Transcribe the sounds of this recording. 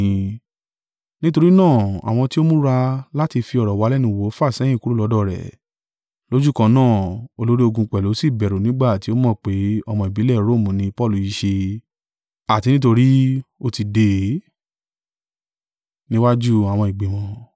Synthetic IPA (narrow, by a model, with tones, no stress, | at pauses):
ĩ˧ | nĩ˦to˧ɾi˦nãː˦˨a̰˨w̃ɔ̃˧ti˦o˦mũ˦ɾa˧la˦ti˧fi˧ɔ˨ɾɔ˨wa˨˧˦lɛ˦nĩ˧˨wo˨˦fa˦˨sɛ̃˦jĩ˦˨ku˨˦ɾu˦˨lɔ˨˦dɔ˦˨ɾɛ̰˨ | lo˦d͡ʒu˦˨kã˧nãː˦˨o˧lo˦ɾi˦o˧ɡũ˧k͡pɛ˨lo˨˦si˦˨bɛ˨ɾo˨nĩ˦ɡ͡ba˦˨ti˨˦o˦mɔ̃˦˨k͡pe˨˦ɔ˧mɔ̃˧i˨bi˨˦lɛ˦˨ɾo˦˨mũ˨nĩ˧pɔ˦˨lu˨i˨˧˦ʃe˧ | a˨ti˧nĩ˦t̬o˧ɾi˦o˧ti˧de˧˨ | nĩ˦wa˦d͡ʒu˦a˨w̃ɔ̃˧i˨ɡ͡bẽ˨mɔ̃˨˧